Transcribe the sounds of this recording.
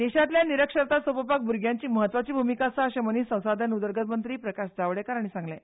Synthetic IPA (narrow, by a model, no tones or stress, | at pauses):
d̪eɕat̪ljaniɾəkʂəɾt̪asopəpak̚buɾɡʱjaɲt͡ɕiːməɦət̪ʋat͡ɕiːbʱumikasaːɕeməniːsə̃w̃sad̪janud̪əɾɡət̪mənt̪ɾiːpɾəkaɕd͡zaʋɽekaɾaɽ̃isãŋɡle